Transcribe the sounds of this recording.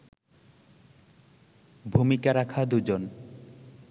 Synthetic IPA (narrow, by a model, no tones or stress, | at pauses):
bʱumikaɾakʰad̪ud͡ʑon